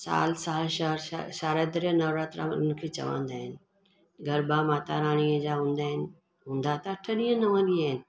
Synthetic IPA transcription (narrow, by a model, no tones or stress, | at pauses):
sa̰ːlsaːlʃaɾʃaːɾəd̪ɾenɐːʋɾaːt̪ɾa̰mɐ̰nənɪkʰeːt͡ɕɐ̰ʋã̰ːnd̪aːɦɪnɪ̆ | ɡɐɾbamaːt̪aɾaːɽ̃iəd͡ʑaːɦũːnd̪aːɦɪnɪ̆ | ɦũːnd̪at̪aʈʰɐɗiə̃nɐʋãːnd̪iaːɦɪnɪ̆